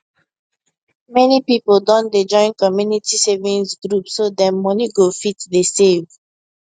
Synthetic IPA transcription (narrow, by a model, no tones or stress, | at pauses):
mɛnipipoldɔ̃nded͡ʒɔ̃ɪ̃nkɔmjunitisevĩnsɡɹupsodɛ̃nmɔniɡofitdesev